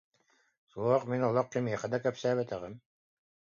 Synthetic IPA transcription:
suɔqminɔlˠɔq̚kimiɛχɛd̪akɛpsæːβɛt̪ɛʁɘm

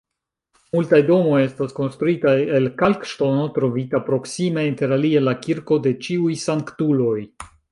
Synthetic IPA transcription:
multajdo̞mo̞je̞stasko̞nst̪ɾuitaje̞lkalkʃto̞no̞tɾo̞vitapɾo̞ksime̞inte̞ɾalie̞lakiɾko̞de̞t͡ʃiujsaŋktulo̞j

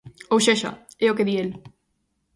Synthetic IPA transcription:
owʃeʃa̰eokeðiel

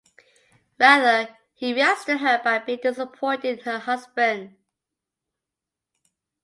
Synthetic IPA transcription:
ɹæðə | hiɹastəɦəbaɪbidɪsəpʰɔ̃ɪ̃ntɪ̃ŋhəhʌzbə̃nd

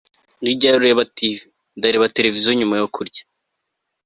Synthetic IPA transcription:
ɡiɟaɾuɾeβati | daɾeβate̞ɾe̞vizoɲumajokʰuɾɟḁ

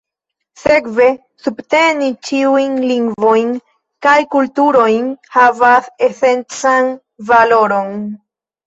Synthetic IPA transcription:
se̞kve̞ | subte̞nit͡ʃiujnliŋɡvo̞jn | kajkultuɾo̞jnhavase̞se̞nt͡san | valo̞ɾo̞n

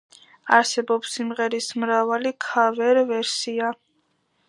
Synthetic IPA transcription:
aɾsɛbɔpsːimʁɛɾismɾavalikʰavɛɾvɛɾsia

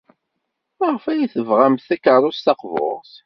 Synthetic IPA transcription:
məʁfæjiθəvʁamθækərˤːʊsθɑqvo̰ʁs

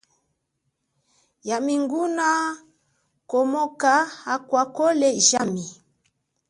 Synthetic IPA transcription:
jamiŋɡuna | kɔmɔkaakwakɔlɛʒami

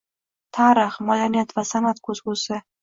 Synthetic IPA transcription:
t̪ʰaɾɪχmad̪aɾnijat̪vasanat̪kʰɵzɡʊsɪ

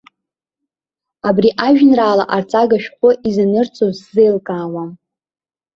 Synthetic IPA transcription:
abriʔaʒᶣnraːlaʔart͡sʼaɡaʃᶣχʷʊʔizanɨrt͡sʰʼozzejlkʼaːwam

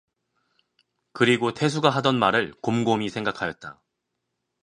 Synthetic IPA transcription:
kɯɾiɡotʰe̞sʰuɡaɦadʌnmaɾɯɭkomɡomisʰe̞ŋɡakʰajʌt̚t͈a

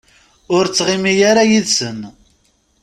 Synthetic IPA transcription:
ʊɾt͡sːʁɪmijaɾajiðsən

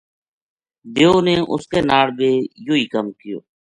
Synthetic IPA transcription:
d̪eːoːneːʔʊ̰skeːnaːɽbeːjoːiːkəmkɪjo̰ː

